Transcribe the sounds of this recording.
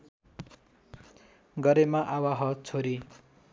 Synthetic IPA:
ɡʌɾemaʔawaɦʌt͡sʰoɾi

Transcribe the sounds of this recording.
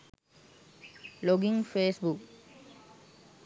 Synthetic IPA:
loɡiŋfeːsbuk

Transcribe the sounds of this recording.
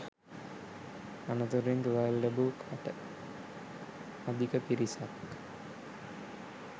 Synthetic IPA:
anət̪uɾiŋɡʋalːebukʰaʈə | ad̪ikəpiɾisak

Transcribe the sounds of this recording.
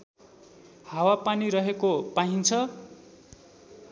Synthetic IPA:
hawapaniɾʌɦekopaɦint͡sʰʌ

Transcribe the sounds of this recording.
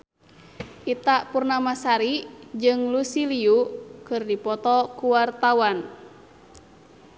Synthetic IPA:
ʔit̪aʔpurnamasaɾid͡ʒɨŋlusiliukɨrdipɔt̪ɔkuwart̪awan

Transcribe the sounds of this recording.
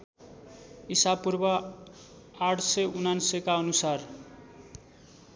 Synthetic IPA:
isapurbʌ | aʈʰsʌjunansʌkaʌnusar

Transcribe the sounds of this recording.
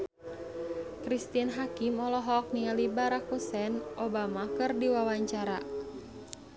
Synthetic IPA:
kɾist̪ianɦakimɔlɔɦɔk̚nialibaɾakusɛnʔɔbamakɨrdiwawaɲt͡ʃaɾa

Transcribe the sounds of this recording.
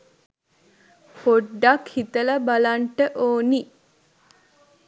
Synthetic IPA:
poɖːakhit̪ələbalaɳʈəʔoːni

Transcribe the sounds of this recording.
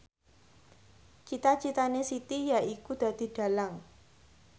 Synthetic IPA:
t͡ʃit̪at͡ʃit̪anesit̪ijaʔikud̪̥ä̤d̪̥i̤ɖ̪̥a̤laŋ

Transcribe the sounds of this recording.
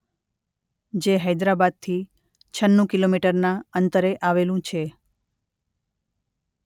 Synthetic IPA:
d͡ʒeɦəjd̪ɾabad̪̚t̪ʰi | t͡ʃʰənːũkilomiʈəɾnaənt̪əɾeʔaʋelũt͡ʃʰe

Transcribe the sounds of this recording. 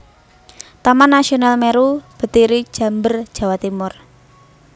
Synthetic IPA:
t̪amanːasionalmeɾub̥ə̤t̪iɾi̥ʒ̥a̤mbər̥ʒ̥ä̤wat̪imʊr

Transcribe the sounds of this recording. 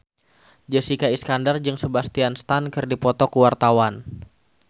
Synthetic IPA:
d͡ʒəsikaiskandard͡ʒɨŋsəbast̪ianst̪ankɨrdipɔt̪ɔkuwart̪awan

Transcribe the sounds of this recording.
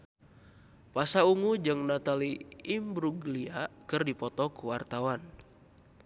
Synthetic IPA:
pasauŋud͡ʒɨŋnat̪aliimbɾuɡliakərdipɔt̪ɔkuwart̪awan

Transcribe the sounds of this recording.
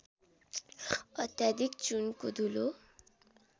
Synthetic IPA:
ʌt̪jad̪ikt͡sunkod̪ʱulo

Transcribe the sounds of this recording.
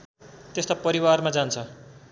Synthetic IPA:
t̪est̪opʌɾiwarmad͡zant͡sʰʌ

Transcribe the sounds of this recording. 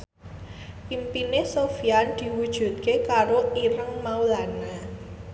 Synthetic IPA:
pimpinesofijand̪̥i̤wud̥ʒ̥ṳt̪̚kekaɾoiɾəŋmaulana

